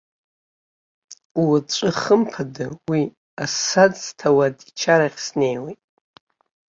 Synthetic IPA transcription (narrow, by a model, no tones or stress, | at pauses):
t͡ʃʷʼɨχəmpʰadɨwi | asad͡ztʰawadit͡ʃʰaɾaχʲsne̞jwejtʼ